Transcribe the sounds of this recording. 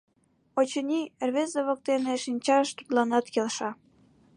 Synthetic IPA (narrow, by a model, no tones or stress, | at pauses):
ot͡ɕənʲirβezəβə̆k̚t̪eneʃinʲt͡ɕɑʃt̪u̥t̪lɑnɑt̪kelʃɑ